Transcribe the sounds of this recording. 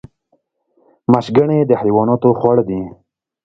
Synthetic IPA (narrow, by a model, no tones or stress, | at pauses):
maʃɡəɳed̪əhajwɑnɑt̪oxwaɽd̪i